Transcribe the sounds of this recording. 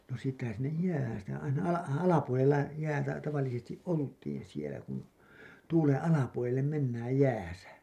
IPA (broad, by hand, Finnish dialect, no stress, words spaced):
no siːtːæhæn sinːej jæːhæn̞ sitæ ɑinɑ ɑlɑ ɑlɑpuolelːɑ jæːtæ tɑʋɑlːisestiʔ ʔoltˑiːn sielæ kun tuːlen ɑlɑpuolelːem menːæːj jæːsæ